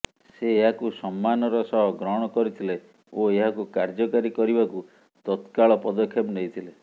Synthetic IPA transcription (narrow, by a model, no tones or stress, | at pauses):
seːɦakusɔmːanɔɾɔsɔɦɔɡɾɔɽ̃ɔkɔɾit̪ʰile | oeɦakukaɾd͡ʒɔkaɾikɔɾibaku | t̪ɔt̪kaɭɔpɔd̪ɔkʰːjepneɦit̪ʰile